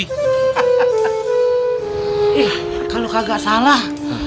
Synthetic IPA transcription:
ih | kalokaɡaʔsalah

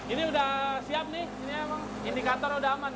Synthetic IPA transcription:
iniudahsiap̚nɪhiniemaŋ | indikat̪ɔrudaɦaman

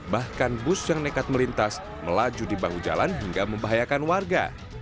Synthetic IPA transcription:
bahkanbʊsjaŋnekat̪̚məlint̪as | məlad͡ʒudibaŋud͡ʒa̰lanɦiŋɡaməmbaɦajakanwarɡa̰

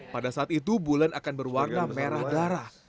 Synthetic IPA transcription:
padasaːt̪it̪ubulanakanbərwarnameɾahdaɾah

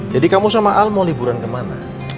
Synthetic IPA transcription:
d͡ʒadikamusamaʔalmɔlibuɾankəmana̰

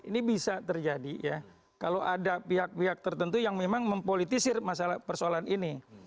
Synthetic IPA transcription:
inibisat̪ərd͡ʒadija | kaloʔadapiɦak̚piɦak̚t̪ərt̪ənt̪ujaŋmemaŋməmpolit̪isɪrmasalahpərsoalanini

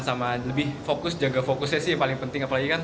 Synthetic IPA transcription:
nsamaləbɪhfokʊsd͡ʒaɡafokʊsɲasɪhpalɪŋpənt̪ɪŋapalaɡikan

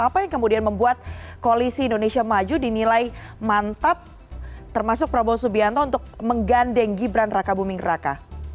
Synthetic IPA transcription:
apajaŋkəmudianməmbuat̪̚koalisiːndonesiamad͡ʒudinilaimant̪ap̚ | t̪ərmasʊk̚pɾabɔsubiant̪ɔunt̪ʊk̚məŋɡandɛŋɡibɾanrakabumɪŋraka̰

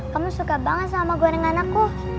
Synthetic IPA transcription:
kamusukabaŋət̪̚samaɡoɾɛŋanakːu

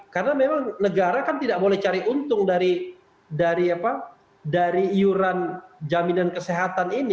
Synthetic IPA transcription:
karənamemaŋnəɡaɾakant̪idaʔk̚bolɛht͡ʃaɾiʔunt̪ʊŋdaɾi | daɾiapa | daɾiijuɾand͡ʒaminankəseɦat̪anini

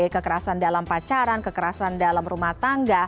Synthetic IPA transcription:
ekəkəɾasandalampat͡ʃaɾankəkəɾasandalamrumaht̪aŋɡa

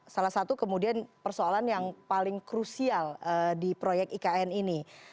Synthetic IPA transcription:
salahsat̪ukəmudianpərsoalanjaŋpalɪŋkɾusialədipɾojɛk̚tikaɛnini

